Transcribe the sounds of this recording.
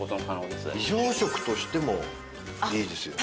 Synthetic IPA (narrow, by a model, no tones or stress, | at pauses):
ot̪onkanoːd̪esɨiʑoːɕo̞kɯ̟̥t̪o̞ɕi̥t̪e̞mo̞̰ | iːd̪esɨjo